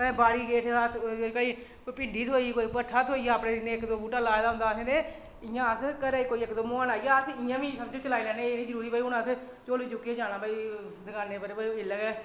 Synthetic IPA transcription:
eːbaːɽiːɡeːʈʰaːt̪kəi | kopɪɳɖiːt̪ʰoːikoːipəʈʰːaːt̪ʰoːiːəpɽeːɪneːɪkd̪oːbuːʈaːlaːjd̪aːʊ̃nd̪aːsẽːnẽː | ɪjãːəskəɾɛːikoːiːɪkd̪oːmoaːnaːiːaːsɪjãːʋiːsəbd͡ʒõːt͡ʃəlaːiːlɛːneːeːnĩːzəɾuːɾiːbaːiʊnas | t͡ʃoːliːd͡ʒʊkːeːd͡ʒaːɽ̃aːbaːiː | d̪ɡaːneːpəɾbaiɪləɡɛː

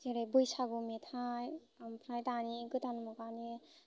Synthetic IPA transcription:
zeɾajbujsaɡumetʰaj | ampʰɾajtaniɡɯtanmɔkani

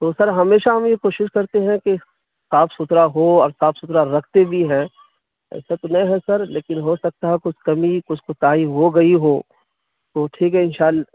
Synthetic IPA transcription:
t̪oːsɐɾɦɐmeːʃaɦɐmjekoːʃɪʃkɐɾt̪eɦɛ̃ke | saːfsʊt̪ɾaɦoɔːɾsaːfʰsʊt̪ɾaɾɐkʰt̪ebʱiɦɛ̃ | ɛ̰ːset̪onɐ̃ɦɛ̃sɐɾleːkɪnɦosɐk̚t̪aɦɛkʊt͡ʃʰkɐmikʊt͡ʃʰkot̪aːiɦoɡɐiɦoː | t̪oːʈʰiːkɦɛɪnʃaːl

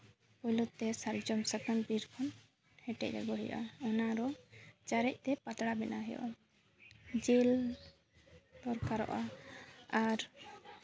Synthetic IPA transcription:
pɔjlɔt̪ːɛsaɾd͡ʒɔmsakanbiɾkʰɔn | hɛʈɛ̰c̚a̰ɡɔɦɛjɔ̰ʔa̰ɔnaɾɔt͡ʃaɾɛc̚ˀt̪ɛpat̪ɽabɛnaɦɛjɔ̰ʔa | d͡ʒil | t̪ɔɾkaɾɔ̰ʔa | aɾ

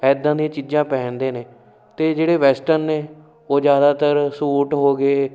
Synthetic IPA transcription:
ɛːd̪ãːd̪ĩãt͡ʃiːd͡ʒãːpɛ̃ːnd̪eːneː | t̪eːd͡ʒeːɽeːʋɛːsʈənneː | oːd͡ʒjaːd̪aːt̪əɾsuːʈɦoːɡeː

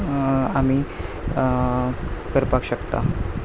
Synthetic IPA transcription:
amiː | kəɾpakɕəkt̪a̰

